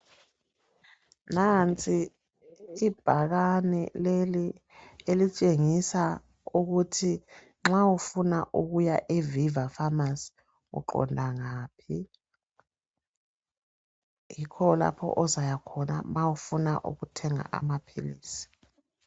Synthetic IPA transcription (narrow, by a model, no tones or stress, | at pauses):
nant͡sʼiː | b̥ʱaɣ̬anɛ̰leli | elit͡ʃʼeŋisa | uk̬utʰi | ŋ͡ǁawufunaʔuk̬ujaʔevivafamas | ṵǃɔ̰ndʱaŋaːpʰi | jikʰɔla̰pʰɔ̰ʔɔzajakʰɔna̰mawufuna̰ʔṵɣutʰɛŋa̰ʔa̰mapʰḭliːsi̥